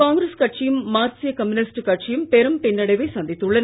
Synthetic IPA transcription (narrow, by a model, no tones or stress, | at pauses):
aːŋɡɾeskɐʈ̚t͡ʃɪjɯmːaːɾsɪjɐkɐmʊnɪsʈkɐʈ̚t͡ʃijɯmpɛɾɯmpɪnːɐɽɐɪʋɐɪsɐnd̪ɪt̪ːɯɭːɐn